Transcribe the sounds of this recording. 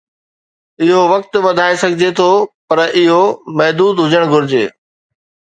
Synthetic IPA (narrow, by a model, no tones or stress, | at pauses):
ɪɦoʋɐk̚t̪ʋɐd̪ʱaːesɐɡʱɪd͡ʑet̪ʰopɐɾɪɦomɐɦd̪uːd̪ɦʊd͡ʑəɽ̃ɡʱʊɾɪd͡ʑḛː